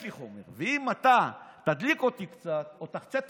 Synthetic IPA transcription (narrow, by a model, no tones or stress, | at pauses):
liχomḛʁveimat̪at̪ad̪liko̞t̪ikt͡sat̪ot̪aχt͡set̪